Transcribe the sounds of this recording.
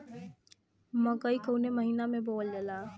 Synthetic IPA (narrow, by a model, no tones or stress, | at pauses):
mɐ̃kəikoːneməɦiːnamẽboːldelaː